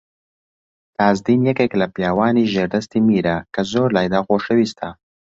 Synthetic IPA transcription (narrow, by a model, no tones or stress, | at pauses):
t̪ɑːzd̪injakeklapjɑːwɑːniʒeɾd̪ast̪imiɾakazoːɾlɑjd̪aɣoʂəwist̪a